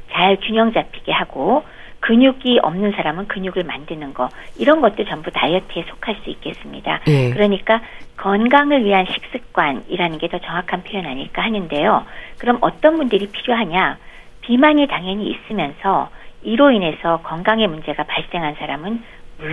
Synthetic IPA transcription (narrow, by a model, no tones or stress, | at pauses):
t͡ɕaɭkjuɲjʌŋd͡ʑapʰi̥ɡehaɡ̥o | kɯɲuɡiʔʌ̰mnɯnsʰaɾamɯnkɯɲuɡɯɭmandɯnɯnɡʌiɾʌnɡʌt̚t͈ot͡ɕʌmbutajʌtʰe̞sʰo̥kʰaɭs͈uik͈e̞s͈ɯmɲḭda̰kɯɾʌɲik͈akʌnɡaŋɯɭɥiɦanɕʰi̥k̚s͈ɯk̚k͈waniɾanɯnɡe̞tʌt͡ɕʌŋwakʰanpʰjojʌnaɲiɭk͈aɦanɯnde̞jokɯɾʌmʔʌ̰t͈ʌnbundɯɾipʰiɾjoɦaɲa | pimaɲitaŋɦjʌɲḭːs͈ɯmjʌnsʰʌiɾoine̞sʰʌkʌŋɡaŋemund͡ʑe̞ɡapaɭs͈e̞ŋɦansʰaɾamɯn | mu